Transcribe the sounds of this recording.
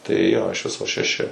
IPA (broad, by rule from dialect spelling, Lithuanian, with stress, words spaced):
tɐɪ joː ɪʃ ˈʋʲɪsoː ʃʲɛˈʃʲɪ